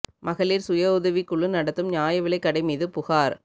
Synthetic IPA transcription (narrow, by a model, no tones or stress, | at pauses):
mʔɐɣɐɭiːɾsʊjɐʊðɐʋikːʊɭːɯnɐɽɐt̪ːɯmɲjaːjɐʋɪɭɐɪkːɐɽɐɪmiːðɯpʊɣaːɾ